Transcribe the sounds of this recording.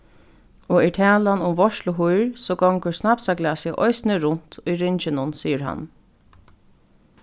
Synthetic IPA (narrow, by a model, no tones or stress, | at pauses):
ɔɛɹʈʰæːlanʊmʋɔʃlʊɦujɹsɔːɡɔŋkəsnapsaɡlɛasɪʔɔjsnɪɾʊn̥t̪ʰʊjɾɪɲt͡ʃɪnʊnsiːəɾɦa̰nː